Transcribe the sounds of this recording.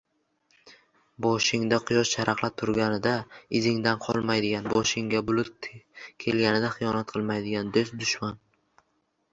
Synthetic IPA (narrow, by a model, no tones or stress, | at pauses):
bɒʃɪŋd̪aqʰʊjɒʃt͡ʃʰaɾɑqlˠap̚t̪ʰʊɾɡʲanɪd̪aɪzɪŋd̪anqʰɒlˠmajd̪ɪɡʲanbɒʃɪŋɡʲabʊlˠʊt̪̚kʲʰe̞lɡʲanɪd̪aχɨjɒnat̪̚qʰɨlˠmajd̪ɪɡʲand̪osd̪ʊʃman